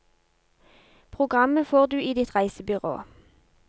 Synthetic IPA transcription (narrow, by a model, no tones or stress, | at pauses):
pʰʁʊɡʁɑməfoːʁd̪ʉːiːd̪ɪt̪ʁæɪsəbʏʁo̰ː